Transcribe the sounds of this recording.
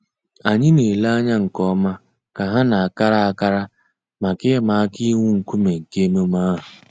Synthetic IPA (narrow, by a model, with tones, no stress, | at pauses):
a˨ɲɪ˦ne˨la˦a˦ɲa˦ŋ̩˨kɔ˦ma˦ | ka˨ɦa˦na˨a˨ka˦ɾa˦a˨ka˦ɾa˦ | ma˨kɪ˦ma˨˦kɪ˦ŋʷʊ˦ŋ̩˨ku˦me˨ŋ̩˨ke˦mo˦ma˦ɦʊ˨